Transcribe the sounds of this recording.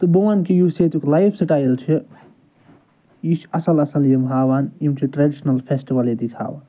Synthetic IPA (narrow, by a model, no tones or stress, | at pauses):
t̪ɨbɐwankijuset̪uklajpʰsɐʈaːjilt͡ʃʰi | jiʃɐsɐlɐsɐljimɦaːwanimt͡ʃʰiʈɾeɖiʃnɐlpʰesʈiʋɐljid̪ikʰa̰ːʋa̰ːn